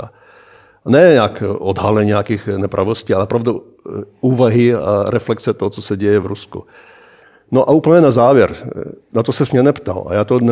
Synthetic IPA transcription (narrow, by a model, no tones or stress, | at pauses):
a | nɛɲakod̪ɦalɛɲɲɛakiːxnɛpɾʔaʋosciːalɛpɾavd̪u | uːvaɦia̰ɾɛflɛkt͡sɛt̪oɦɔt͡sosɛɟɛjɛvɾuskṵ | noʔauːpl̩ɲɛnazaːvjɛɾnat̪osɛsmɲɛnɛpt̪a̰la̰jaːt̪on